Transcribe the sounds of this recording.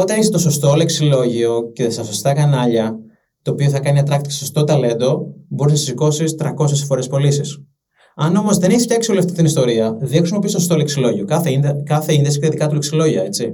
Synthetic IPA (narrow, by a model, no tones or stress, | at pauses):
o̞t̪ɐniset̪oso̞st̪ole̞ksilo̞ʝio̞ce̞sɐsost̪ɐkɐnɐʎɐ | t̪o̞ːpio̞θɐkɐniɐt̪ɾɐkt̪iceso̞st̪ot̪ɐle̞nd̪o̞bo̞ɾisnɐsisiko̞sist̪ɾɐko̞sesfo̞ɾe̞spo̞lisis | ɐno̞mo̞zðe̞neçse̥cɐeksioleft̪i̥cit̪inist̪o̞ɾiɐðexɾisimopist̪ost̪o̞leksilo̞ʝiokɐθeikɐθeind̪esi̥cet̪iðikɐt̪uleksilo̞ʝiɐe̞t͡si